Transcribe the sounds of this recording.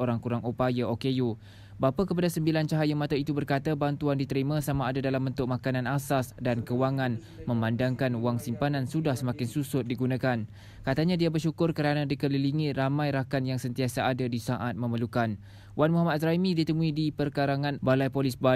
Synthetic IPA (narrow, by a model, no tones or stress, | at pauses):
oɾaŋkuɾaŋupajaokeju | bapakəpadasəmbilant͡ʃaɦajamat̪ait̪ubərkat̪abant̪uandit̪əɾimãsamaːdadalambənt̪ʊk̚makanãnasasdankəwaŋãn | mə̃mãndaŋkanwaŋsimpanansudahsəmakɪnsusʊt̪̚diɡunakan | kat̪aɲãdiabərʃukʊrkəɾanãdikələliŋiramãjɾakanjaŋsənt̪iasaʔadadisaʔat̪̚mə̃məlukan | wanmuɦamat̪̚sɾaimidit̪əmũidipərkaɾaŋãnbalajpolɪsba